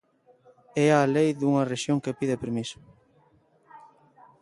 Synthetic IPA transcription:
ɛalejðuŋɐreʃjoŋkepiðepeɾmisʊ̥

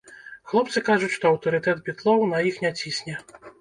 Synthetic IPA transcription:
xlˠɔp̪̚sɨkaʐʊtʲʂt̪ɔɐwt̪ɔɾɨt̪ɛt̪bʲit̪lˠɔwnɐjixnʲɛt͡sʲisʲnʲɛ

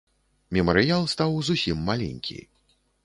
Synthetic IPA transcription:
mʲɛməɾɨjalˠst̪awzusʲimːalʲɛ̰nʲkʲḭj

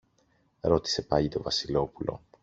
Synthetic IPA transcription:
ɾo̞t̪i̥se̞pɐʎit̪o̞vɐsilo̞pulo̞̰

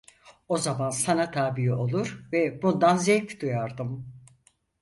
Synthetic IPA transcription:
o̞zamansanat̪ʰaːbiɦio̞lˠuɾvɛbund̪anzɛjʲpʲd̪ujaɾd̪ɯm

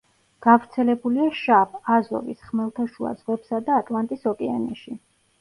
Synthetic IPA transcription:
ɡ̥avɾt̪sʰɛlɛbuliaʃabʰazɔ̰visχmɛlˠt̪ʰaʃua̰d̪z̥ʁwɛpsad̪aːt̪ʼlˠant̪ʼisɔkʼɛanɛʃi

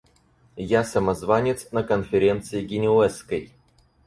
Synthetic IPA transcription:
jasəmɐzvanʲɪt̪snəkənfʲɪɾʲe̞nt̪sɨɪɡʲɪnʲɪɛskəj

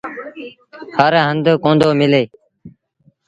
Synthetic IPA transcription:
həɾɦənd̪kõːnd̪oːmɪleː

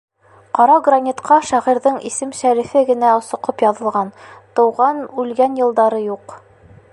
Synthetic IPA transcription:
qɒɾɑɡronʲit̪qɑʃæʁiɾðɘɴḭsɘmʃæɾifɘɡɘ̆næŏsɤ̆qɤpjɑðɤ̆lˠʁɑnt̪ɤ̆wʁɑnʉlɡænjɤ̆lˠd̪ɑɾɤjuq

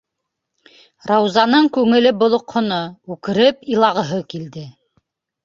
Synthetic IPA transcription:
rɑwzɑnɤɴkʉŋɘ̆lɘbŏlˠŏqhŏnoʉkɘ̆ɾɘpilˠɑʁɤ̆ɦɤkild̪ɘ

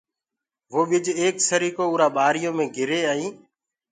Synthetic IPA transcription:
ʋoːɓɪd͡ʒeːksəɾiːkoːʊːɾaːɓaːɾɪjõːmẽːɡʱɪɾeːaːĩː

